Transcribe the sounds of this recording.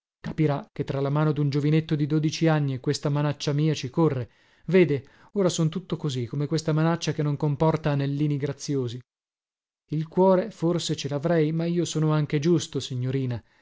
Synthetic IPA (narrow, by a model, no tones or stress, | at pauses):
kapiɾakːet̪ːɾalamaːnod̪und͡ʒovinet̪ːod̪id̪oːd̪it͡ʃianːikwest̪amanat͡ʃːamiːat͡ʃikorːe | veːd̪e | oːɾasont̪ut̪ːokozikomekwest̪amanat͡ʃːakenːoŋkompɔrt̪aːnelːiːniɡɾat̪sːjoːzi | ilkwɔːɾeforset͡ʃelavɾɛjmaiːosoːnoaŋk̟ed͡ʒust̪osiɲːoɾiːna